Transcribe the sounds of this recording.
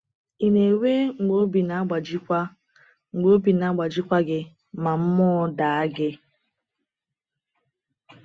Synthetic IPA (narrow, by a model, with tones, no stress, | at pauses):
i˨ne˨we˦ŋ͡m̩˨ɡ͡bo˦bi˨na˨˦ɡ͡ba˨d͡ʒi˦kʷa˦ | ŋ͡m̩˨ɡ͡bo˦bi˨na˨˦ɡ͡ba˨d͡ʒi˦kʷa˦ɡɪ˦ | ma˨m̩˦mɔː˦da˨a˦ɡɪ˦